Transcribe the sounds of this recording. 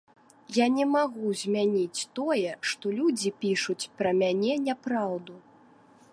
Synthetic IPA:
janʲɛmaɣuzʲmʲanʲit͡sʲt̪ɔjɛʂt̪ɔlʲud͡zʲipʲiʂut͡sʲpɾɐmʲanʲɛnʲapɾawd̪u

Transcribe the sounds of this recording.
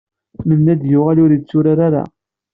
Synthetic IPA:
mənːæd̪jʊʁælʊɾit͡sːʊɾaɾaɾa̰

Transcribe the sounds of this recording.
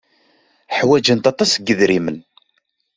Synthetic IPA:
ħwæd͡ʒənt̪ɑt̪ˤɑsɡːəðɾimən

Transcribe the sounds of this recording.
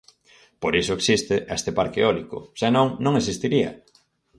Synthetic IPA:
poɾisʊeksist̪ɪʔest̪epaɾkeɔlikʊ̰senõŋnõŋes̬ist̪iɾiɐ̰

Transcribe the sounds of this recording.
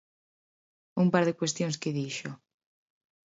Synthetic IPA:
umpaɾðekwest̪jõŋskeðiʃo

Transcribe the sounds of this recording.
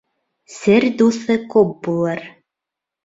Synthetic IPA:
sɘɾd̪uθɤkup̚bulˠɤɾ

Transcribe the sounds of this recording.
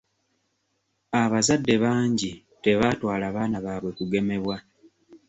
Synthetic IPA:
aβazadːe̞βaːɲɟi | te̞βaːtwaːlaːβaːnaβaːβwe̞kuɡe̞me̞βwa

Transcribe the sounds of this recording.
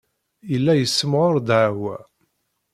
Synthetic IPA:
ilːæjəsːəmʁoɾd̪ʕawæ̰

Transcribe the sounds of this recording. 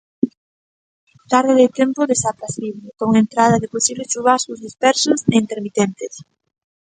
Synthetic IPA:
t̪aɾðeðet̪jempoðesapɾasiβlekoŋent̪ɾað̞aðeposiβlet͡ʃuβaskuzðispɛɾsoseint̪eɾmit̪ent̪es

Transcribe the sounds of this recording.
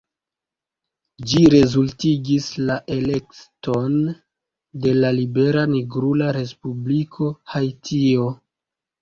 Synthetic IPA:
d͡ʒiɾe̞zultiɡislaʔe̞le̞kto̞n | de̞lalibe̞ɾaniɡɾulaɾe̞spublikʰo̞hajtʰio̞

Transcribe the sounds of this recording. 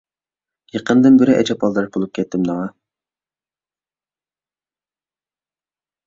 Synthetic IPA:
jəqənd̪ɨnbɪɾɪʔɛ̰t͡ʃʰɛpɑlˠd̪ɑɾ̚bolˠup̚kʲʰɛt̪ːɪmnɑŋɑ

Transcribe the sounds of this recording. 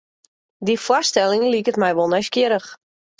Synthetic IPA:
difwɔstɛlˠɪŋlikətmɛjʋolˠnɛjskjɪɾəx

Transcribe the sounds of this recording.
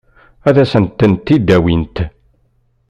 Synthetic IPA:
æðæsənt̪ːənt̪ːid̪ːæwint̪

